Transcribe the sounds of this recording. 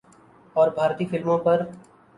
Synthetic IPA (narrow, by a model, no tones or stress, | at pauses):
ɔːɾbʱaːɾt̪iːfɪlmõpɐɾ